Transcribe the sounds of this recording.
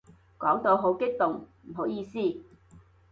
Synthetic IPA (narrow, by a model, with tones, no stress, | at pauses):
kɔː˨˥ŋt̪o˨˧wɦo˨˥wkɪ˥k̚t̪ʊ˨ŋm̩˨˩ɦo˨˥wjiː˧siː˥˩